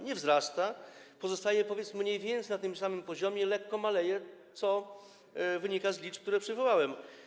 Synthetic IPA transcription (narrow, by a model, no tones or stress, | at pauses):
ɲɛvzɾast̪apɔzɔst̪ajɛpɔvʲjɛt̪smɲejvʲjɛnt̪sʲnat̪ɘmsamɘmpɔʑɔmʲjɛlɛkːɔmalɛjɛt̪sɔ | vɘɲikazlʲit͡ʂkt̪uɾɛpʂɘvɔwawɛm